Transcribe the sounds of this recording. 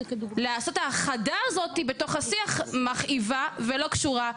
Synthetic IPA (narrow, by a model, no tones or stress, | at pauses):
leaːso̞taχadaːzo̞thibe̞to̞χhasiaχmaχʔivavelo̞kʃuʁa